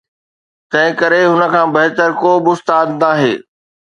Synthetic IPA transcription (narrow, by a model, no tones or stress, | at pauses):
t̪ɐ̃ɦɪ̃kɐɾeɦʊnə̆kʰãːbɐɦt̪əɾkoːbɪʊst̪aːd̪naːɦeː